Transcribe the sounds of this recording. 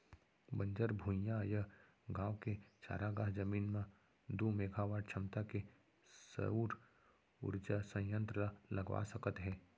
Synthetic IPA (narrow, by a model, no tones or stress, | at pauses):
bə̃ɲd͡ʒəɾbʱũjãjɐ | ɡãːwket͡ʃa̰ːɾaɡaːɦd͡ʒəmiːnmã | d̪umeːɡʱaʋaːɖt͡ʃʰəmt̪ake | sə̰uːɾ | ʊ̰ɾd͡ʒasə̃jə̃nt̪ɾəlɐɡʋa̰səkət̪ɦɛː